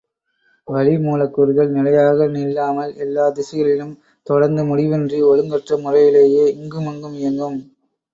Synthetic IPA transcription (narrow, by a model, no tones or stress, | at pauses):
ʋɐɭɪmuːlɐkːɯɾɣɐɭnɪlɐjaːɣɐnɪlːaːmɐlɛlːaːd̪ɪsɪɣɐɭɪnɯm | t̪ɔɽɐɾnd̪ɯmʊɽɪʋɪndriɔɻɯŋɡɐʈrɐmʊrɐjɪleːjeːɪŋɡɯmʊŋɡɯmɪjɐŋɡɯm